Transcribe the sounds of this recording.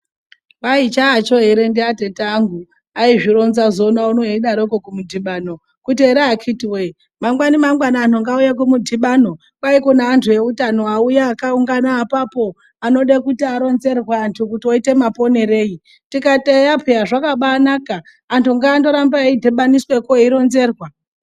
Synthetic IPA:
ʋait͡ʃaːt͡ʃoɦeɾendiatetaŋɡu | aiʐiɾo̞nzazo̞naunoeiɗaɾokokumudʱiɓano̞ | kutieɾeakʰitiwe | mamɡwanimaŋɡwanaːn̤oŋɡaujak̬umudʱiɓaːno̞ | kwaikonaːntʰuje̞utano̞aujaːkauŋɡanaːpapo̞ | ano̞ɗekutiaɾo̞nze̞rwaːntʰuk̬utio̞ite̞mapo̞ne̞ɾe̞ːji | tikatejapʰeaʐakaɓaːnaːkaː | ntʰuŋɡaːndo̞ɾambaidʱeɓaniswe̞koiɾo̞nze̞rwa

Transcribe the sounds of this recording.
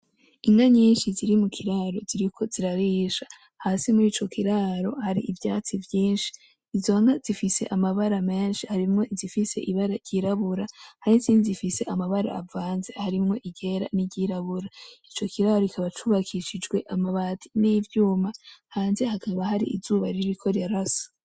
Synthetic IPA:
iŋɡaɲiːnʃiziɾimukʰiɾaɾo̞ziɾikʰo̞ziɾaɾiːʃa | haːsimuɾiːt͡ʃo̞kiɾaːɾo̞̰haɾḭʔivjaːt͡sivjiːnʃi̥ː | zo̞ŋɡazifise̞ʔamaβaɾame̞ːnʃihaɾimŋo̞izifise̞̰ʔiβaɾaɟɟiɾaβuɾahahisiːnizifise̞ʔamaβaɾa̰ːvaːnze̞haɾimŋo̞ʔiɡe̞ːɾa̰niɟiɾaβuɾait͡ʃo̞kiɾaːɾo̞ikʰaβat͡ʃuβakʰiʃid͡ʒɡwe̞ʔamaβaːtʰiniːvjuːmahaːnze̞hakʰaβahaɾḭʔḭzuːβaɾiɾikʰo̞ɾaɾasḁ

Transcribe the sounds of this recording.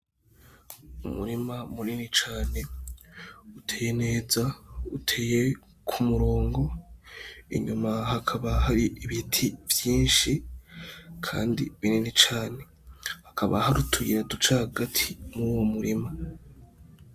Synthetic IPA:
umṵɾimamuninit͡ʃaːne̞ | utʰe̞ːjene̞ːzautʰe̞je̞ | kʰumuɾo̞ːŋɡo̞ | ḭɲumaɦakʰaβahaɾiʔiβitʰivjiːnʃi | kʰa̰ːndḭβininit͡ʃaːne̞ | hakʰaβa̰haɾutʰujiɾedut͡ʃahaɡatʰimuwomuɾima

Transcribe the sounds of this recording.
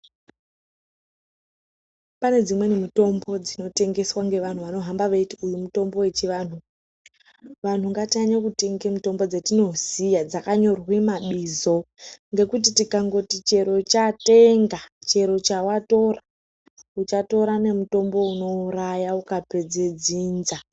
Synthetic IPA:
pane̞d͡zimwe̞nemito̞mbo̞d͡zino̞te̞ŋɡe̞swaŋɡe̞ʋan̤uʋano̞ɦambaʋeitiujumuto̞mbo̞we̞t͡ʃiʋaːn̤u | ʋan̤uŋɡatiaɲakute̞ŋɡemito̞mbo̞d͡zetino̞zijad͡zakaɲo̞rwimaɓizo̞ | ŋɡe̞kutitikaŋɡo̞tit͡ʃe̞ɾo̞t͡ʃate̞ŋɡat͡ʃe̞ɾo̞t͡ʃawato̞ra | ut͡ʃato̞ɾane̞muto̞mbo̞uno̞urajaukape̞d͡ze̞d͡ziːnza

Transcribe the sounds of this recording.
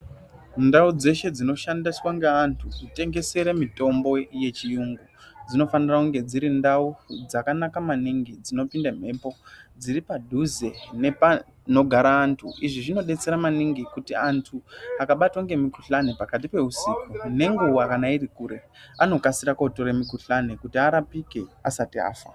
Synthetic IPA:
ndaud͡ze̞ʃe̞d͡zino̞ʃandiswaŋɡeantʰukute̞ŋɡe̞se̞ɾemito̞mbo̞je̞t͡ʃijuŋɡud͡zino̞fanirakuŋɡe̞d͡ziɾindaud͡zakanakamaniŋɡid͡zino̞pindam̤e̞ːpo̞d͡ziɾipadʱuze̞ne | no̞ɡʱaɾaːntʰṵiʐiʐino̞ɗe̞t͡se̞ɾamaniŋɡikutiantʰuakaɓatwaŋɡe̞mikuɬanepakat̬ipe̞usikune̞ŋɡuwakanairikuːɾe̞ | ano̞kasiɾakautoɾemikuɬanekutiaɾapike̞asatia̰ːfa̰

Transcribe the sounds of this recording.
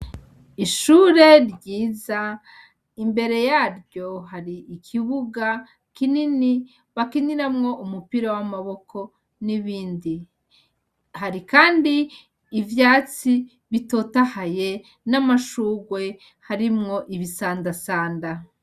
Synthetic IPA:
iʃuːɾe̞ɾɟiːza | imbe̞ɾe̞jaːɾɟo̞ɦaɾiːkʰiβuɡa | kinini | βakiniɾamŋo̞ʔumupiɾawamaβo̞kʰo̞ | niβiːndi | haɾikaːndiː | vjaːt͡si | βito̞tahaje̞ | namaʃuːɡwe̞ | haɾimŋo̞ʔiβisaːndasaːnda

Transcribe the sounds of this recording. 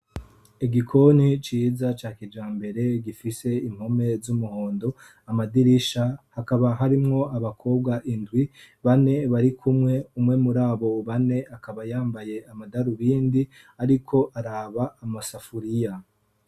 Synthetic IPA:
eɡikʰo̞nit͡ʃiːzat͡ʃaːkid͡ʒjaːmbe̞ɾe̞ɡifise̞im̥home̞zumuho̞ːndo̞ | amadiɾiʃahakaβaɦaɾimŋo̞ʔaβakʰo̞ːb̚ɡaʔindɡwi | βane̞βaɾikʰumŋe̞umŋe̞muɾaːβo̞βane̞ʔakaβajaːmbaje̞amadaɾuβiːndi | aɾikʰo̞ʔaɾaβaːmasafuɾija

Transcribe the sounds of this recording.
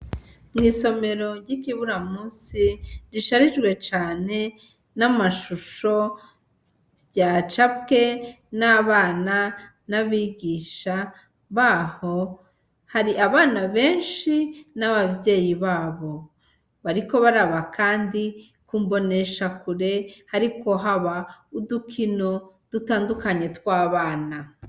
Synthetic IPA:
mŋiːso̞me̞ɾo̞ɾɟikiβuɾamuːsiɾiʃaɾiʒɡwe̞t͡ʃaːne̞ | namaʃuʃo̞ | jaːt͡ʃab̚ke̞ | naβaːna | naβiɡiːʃa | βaːho̞ | haɾiʔaβaːnaβe̞ːnʃinaβabje̞ːjiβaːβo̞ | βaɾiko̞βaɾaβakaːndi | kumbo̞ne̞ʃakuɾe̞haɾiko̞ɦaβaudukʰino̞ | d̥utaːndukaɲe̞twaːβaːna

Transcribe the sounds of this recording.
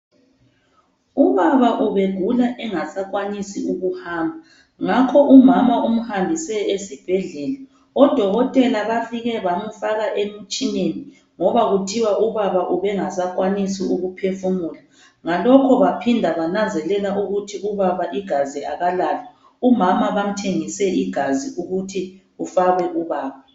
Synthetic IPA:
uβaβaʔuβeɡ̥ʱulaʔɛŋasakwanisiuɣuhaːmbʱa | ŋakʰɔʔumamaum̩hambʱisɛesib̥ʱɛɮɛla | ɔd̥ʱɔɣɔtʼɛlaβafiɣɛβamufaɣaʔemit͡ʃʼineni | ŋɔβaɣutʰiwaʔuβaβaʔuβɛŋasak̬ʼwanisiuɣupʰefumula | ŋalɔkʰɔβapʰindʱaβanand͡zʱɛlɛlaʔuɣutʰiuβaβaʔiɡ̥ʱazia̰ɣalaːlɛ | umamaβam̩tʰeŋisɛʔiɡ̥ʱaziʔuɣutʰi | ufaɣɛʔuβaːβa

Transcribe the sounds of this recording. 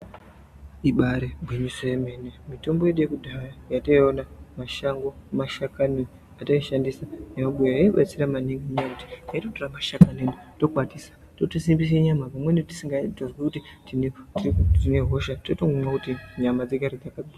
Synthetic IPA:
iɓaɾebʱweɲisojeme̞ːnemito̞mbo̞jeɗujekudʱajajataionamaʃaŋɡo̞maʃakano | ataiʃandisanemaɓujoaiɓat͡siramaniŋɡeɲiakuti̥naitotoramaʃakanendoto̞k͡patisḁ | totosimbis̬eɲamapamweniti̥siŋɡatonzwekutitintitine̞ɦo̞ʃattotoŋɡumwakutiɲamad͡zeɡaɾid͡zakaɡia

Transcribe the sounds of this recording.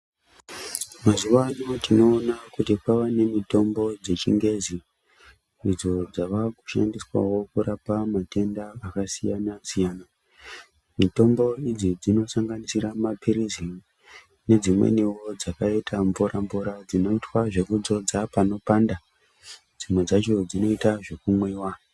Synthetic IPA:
mazuʋanotino̞ːnakutikwaʋane̞mito̞mbo̞d͡ze̞t͡ʃiŋɡe̞zi | id͡zo̞d͡zaʋaku̥ʃa̰ndiswa̰wo̞kuɾapamate̞ndaːkasijanasijaːna | mito̞mbo̞id͡zid͡zino̞saŋɡanisiɾamapiɾizi | ne̞d͡zimwḛniwo̞d͡zakaitʰamvuɾamvuɾad͡zino̞itwaʐe̞kud͡zo̞d͡zapano̞panda | d͡zimwe̞d͡zat͡ʃo̞d͡zino̞itaʐe̞kumweːwa

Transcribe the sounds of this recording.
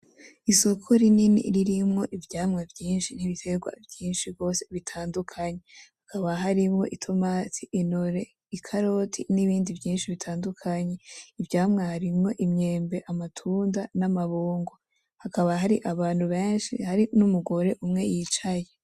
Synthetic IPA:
iso̞kʰo̞ɾininḭɾiɾimŋo̞ʔivjaːmŋevjiːnʃin̥iβitʰe̞ɡwa̰vjiːnʃiɡɡo̞ːse̞̥βitʰaːndukʰaɲe̞hakaβaɦaɾimŋo̞̰ʔitʰo̞maːtʰiʔːnoɾe̞ | ikʰaɾo̞tʰiniβiːndivjiːnʃiβitʰaːndukʰaɲe̞ivjaːmŋehaɾimŋo̞ʔimɲe̞ːmbe̞ʔamatʰuːndanamaβoːŋɡo | hakaβaɦaɾiʔaβaːn̥huβeːnʃihaɾinumuɡo̞ɾe̞ʔumŋe̞jiːt͡ʃaje

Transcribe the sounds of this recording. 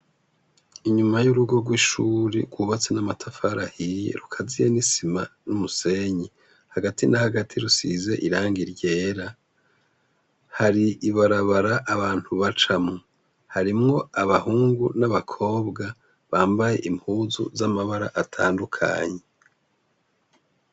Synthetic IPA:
iɲumajuɾuɡo̞ɡwiːʃuːɾeɡwuβat͡se̞namatʰafaɾahijḛɾukʰazijenisimanumuse̞ɲi | haɡatinahaɡatʰiɾusize̞ʔiɾaːŋɡiɾɟe̞ːɾa | haɾiʔiβaɾaβaɾaʔːβaːn̥huβat͡ʃamŋo | haɾimŋo̞aβahuːŋɡunaβakʰo̞ːβɡa | βaːmbaje̞̰ʔimpʰuːzṵzamaβaɾa̰ʔatʰa̰ːndukʰa̰ːɲe

